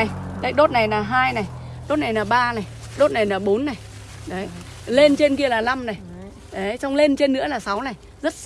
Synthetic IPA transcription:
jɗə˨˦jɗo˦˥t̚na˨˩jlaː˨˩ɦaː˧jna˨˩j | ɗo˦˥t̚na˨˩jlaː˨˩ɓaː˧na˨˩j | ɗo˦˥t̚na˨˩jlaː˨˩ɓo˨˦nːa˨˩j | ɗə˨˦j | le˧nt͡ɕe˧nki˧əlaː˨˩la˧mna˨˩j | ɗə˨˦jt͡ɕa˧wŋ͡mle˧nt͡ɕe˧nːɨ̰˧˥əlaː˨˩sa˨˦wna˨˩j | zə˦˥t̚

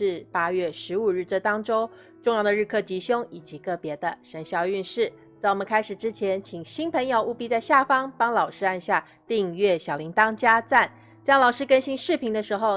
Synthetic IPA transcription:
ɻ̩˥˩pa˥ɥɛ˥˩ʂɻ̩˧˥u˨˩ɻ̩˥˩ʈ͡ʂə˥˧˩t̪ɑ˥ŋʈ͡ʂo˥ʊ | ʈ͡ʂʊ˥˧ŋjɑ˥˩d̪ə˩ɻ̩˥˧kʰɤ˥˩t͡ɕi˧˥ɕjʊ˥ŋi˨˩t͡ɕi˧˥kɤ˥˩pjɛ˧˥d̪ə˧ʂə˧˥nɕjɑ˥˧ʊy˥˧nʂɻ̩˥˩ | t͡sa˥˩wɔ˨˩mə̃˦nkʰa˥ɪʂɻ̩˨˩ʈ͡ʂɻ̩˥t͡ɕʰjɛ˧˥nt͡ɕʰi˨˩ŋɕi˥npʰə˧˥ŋjo˨˧ʊʔu˥˧pi˥t͡sa˥˧ɪɕja˥˩fɑ˥ŋpɑ˥ŋlɑ˨˩ʊʂɻ̩˥a˥˧nɕja˥˧ | t̪i˥˧ŋɥɛ˥˩ɕjɑ˨˩ʊli˧˥ŋt̪ɑ˥ŋt͡ɕja˥t͡sa˥˩n | t͡ɕɑ˥ŋlɑ˨˩ʊʂɻ̩˥kə˥nɕi˥ŋʂɻ̩˥˩pʰi˧˥ŋd̪ə˧ʂɻ̩˧˥xo˥˧ʊ

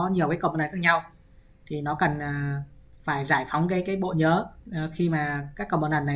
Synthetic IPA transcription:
ɲ˨˩əwkaː˨˦kə˧˨ŋ͡mna˨˩xaː˧˥k̚ɲa˧w | t̪ʰi˨˩nɔ˨˦kə˨˩nː˨˩faː˧˩jzaː˧˩jfa˨˦wŋ͡mkaː˨˦jkaː˨˦jɓo̰˧˨ɲəː˨˦˨xi˧maː˨˩kaː˨˦˥kːə˧wŋ͡mɓə˧nʔa˨˩nːa˨˩

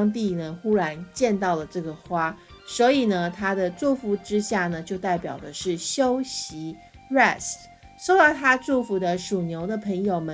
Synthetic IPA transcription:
ŋt̪̬i˥˩nə˩xu˥ɻa˧˥nt͡ɕjɛ˥˧nt̪ɑ˥˩ʊlə˩ʈ͡ʂɤ˥˩ɡə˩xwa˥ | swɔ˧˥i˨˩nə˦t̪ʰa˥d̪ə˨ʈ͡ʂu˥˩fu˧˥ʈ͡ʂɻ̩˥ɕja˥˩nə˩t͡ɕjo˥˧ʊt̪a˥˩ɪpjɑ˨˩ʊd̪ə˦ʂɻ̩˥˩ɕjo˥ʊɕi˧˥ | ɻɛ˥˩s | ʂo˥ʊt̪ɑ˥˩t̪ʰa˥ʈ͡ʂu˥˩fu˧˥d̪ə˧ʂu˨˩njo˧˥ʊd̪ə˧pʰə˧˥ŋjo˨˩ʊmə˨˦

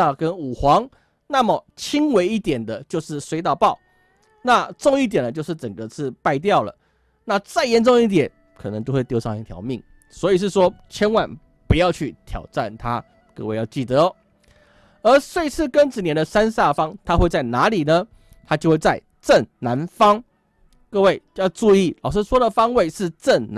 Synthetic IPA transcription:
a˥˧kə˦nu˨˩xwɑ˧˦ŋ | na˥˩mə˨˩t͡ɕʰi˥ŋwe˧˥ɪi˥˩t̪jɛ˨˩nd̪ə˦t͡ɕjo˥˧ʊʂɻ̩˥˩swe˧˥ɪt̪ɑ˥˩ʊpɑ˥˩ʊ | na˥˧ʈ͡ʂo˥˧ŋi˥˩t̪jɛ˨˩nd̪ə˦t͡ɕjo˥˧ʊʂɻ̩˥˩ʈ͡ʂə˨˩ŋɡə˩t͡sʰɹ̩˥˧pa˥˧ɪt̪̬jɑ˥˩ʊlə̰˩ | na˥˧t͡sa˥˩ɪjɛ˧˦nʈ͡ʂʊ˥˧ŋi˥˩t̪̬jɛ˨˦n | kʰɤ˨˩nə˧˦ŋt͡ɕjo˥˧ʊxwe˥˧ɪt̪jo˥˧ʂɑ˥˧ŋi˧˥˩t̪ʰjɑ̰˨˧˥ʊmi˥˩ŋ | swɔ˧˥i˨˩ʂ̬ɻ̩˥˩ʂwɔ˥t͡ɕʰjɛ˥nwa˨˩n | pu˧˦jɑ˥˧ʊt͡ɕʰy˥˩t̪ʰjɑ̰˨˩ʊʈ͡ʂa˥˨nt̪ʰa˦ | kɤ̰˥˧we˥˧ɪjɑ˥˧ʊt͡ɕi˥˩t̪ə˩˦ | ə˧˥swe˥ɪt͡sʰɹ̩˥˩kə˦nʈ͡ʂɻ̩˨˩njɛ˧˥nd̪ə˧sa˦nsa˥˩fɑ˥ŋt̪ʰa˥xwe˥˧ɪt͡sa˥˩ɪna˧˥˦li˨˩nə˦ | t̪ʰa˥t͡ɕjo˥˧xwe˥˧ɪt͡sa˥˩ɪ | ʈ͡ʂə˥˩ŋna˧˥nfɑ˥ŋ | kɤ˥˧we˥˩ɪjɑ˥˧ʊʈ͡ʂu˥˧i˥˩lɑ˨ʊʂ̬̩˥˧swɔ˥d̪ə˨fɑ˥ŋwe˥˧ɪʂɻ̩˥˨ʈ͡ʂə˥˩ŋn

